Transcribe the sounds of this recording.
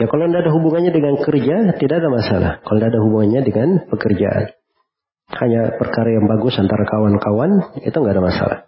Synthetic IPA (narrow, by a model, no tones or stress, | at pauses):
jakalondaadaɦubuŋanɲadəŋankərd͡ʒat̪idaadamasala̰hkalondaadaɦubuŋanɲadəŋanpəkərd͡ʒa̰ʔa̰n | haɲapərkaɾajaŋbaɡʊsant̪aɾakawankawanḭt̪uŋɡadamasa̰la̰h